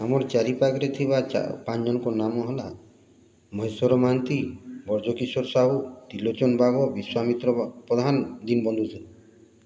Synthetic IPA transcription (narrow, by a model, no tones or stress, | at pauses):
amɔɾt͡ʃaɾipakɔɾet̪ʰiβaa̰pand͡ʒɔnɔkɔnamɔɦɔla | mɔɦesɔɾɔmant̪ibɔɾd͡ʒɔkisɔɾsaɦut̪ilot͡ʃɔnbaɡɔbiswamit̪ɾɔpɾɔd̪ʱand̪inbɔnd̪ʱut̪ʰila